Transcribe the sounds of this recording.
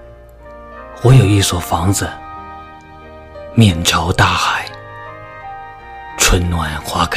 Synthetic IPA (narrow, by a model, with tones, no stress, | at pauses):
wɔ˧˥jo˨˩ʊi˥˩swɔ˨˩fɑ˧˥ŋd͡zə˧ | mjɛ˨˩nʈ͡ʂʰjɑ˧˥ʊt̪a˥˩xa˨˩ɪ | t͡sʰwə˧˥nnwa˨˩nxwa˧˥kʰ